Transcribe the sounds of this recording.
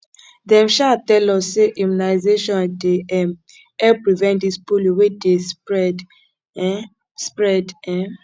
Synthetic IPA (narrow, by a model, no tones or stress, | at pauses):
dɛ̃mʃatɛlɔsːeʔimunaɪzeʃɔ̃ndeɛm | ɛpɹivɛ̃ntdispoliwedesd | spɹɛdɛ̃